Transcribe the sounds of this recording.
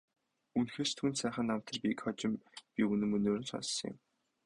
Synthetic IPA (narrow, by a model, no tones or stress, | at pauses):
unxeːst̪ʰunsæːχə̆nːam̥t̪ʰə̆rpʲikχɔt͡ɕɪ̆mpʲiunɘ̆mɵnoːɾɘ̆nsɔ̰ssɞ̆ŋjɪ̰̆m